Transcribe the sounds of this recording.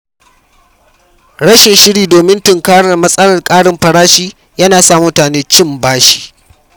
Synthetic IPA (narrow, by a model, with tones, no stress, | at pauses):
ɽɐ˦ʃɪ˨ʃɪ˦ɽiː˨doː˨mɪ˦ntɪ˨ŋkaː˦ɽɐ˨rmɐ˦sʼɐ˦lɐ˨rkʼaː˦ɽɪ˦mɸɐ˨ɽaː˦ʃiː˦ | jɐ˦naː˨saː˦mʊ˦taː˨neː˦t͡ʃɪ˦˨mbaː˦ʃi̥ː˨